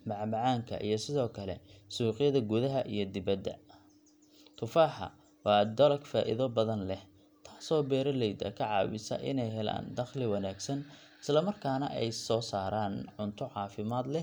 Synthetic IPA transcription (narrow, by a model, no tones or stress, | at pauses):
mɑʕmɑʕaːŋkʰɐ̰ʔḭjɞsɪðɔːkʰɐlɛ̰suːqɪjɐðɐɡuðɐɦɐʔijɞd̪ɪβɐd̪ːɐ̰ | t̪ʰʊfaːħɐ̰ | wɑːd̪ɐlɐɡfaːʔɪ̰ðɔbɐðɐnlɛh | t̪ʰaːsɔːbɛːɾɐlɛjd̪ɐ̰kʰɐʕɑ̰ːwɪsɐ̰ʔɪ̰nɛjɦɛla̰ːnd̪ɐχlɪwɐnaːɡsɐn | ɪslɐmɐrkʰaːnɐʔɛjsɔːsaːɾaːnʕʊnt̪ʰʊʕɑːfɪmaːd̪lɛ